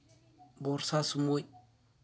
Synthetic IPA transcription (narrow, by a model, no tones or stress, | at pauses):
boɾsasumoj